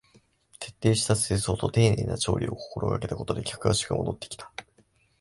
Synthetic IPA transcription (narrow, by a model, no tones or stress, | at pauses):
t̪e̞̥t̪ːe̞ːɕi̥t̪aseːso̞ːt̪o̞t̪e̞ːnḛːna̰t͡ɕo̞̰ːɾʲḭo̞̰ko̥ko̞ɾʔo̞̰ka̰ke̞t̪ako̞t̪o̞d̪e̞kʲakɯ̟βaɕi̥kɯ̟mo̞d̪o̞t̪ːe̞kʲi̥t̪ʰḁ